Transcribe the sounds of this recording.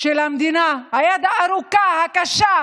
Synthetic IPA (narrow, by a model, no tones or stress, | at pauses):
ʃelamd̪inaajad̪aːɾukahakaʃa